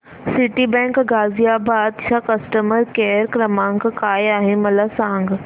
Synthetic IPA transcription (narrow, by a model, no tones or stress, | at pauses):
sɪʈibɛ̃ːŋkɡaːzijabaːd̪ʃʰakɐsʈəməɾkeːɾkɾɐmãːŋɡkaːjaːɦẽmɐlasãːŋɡ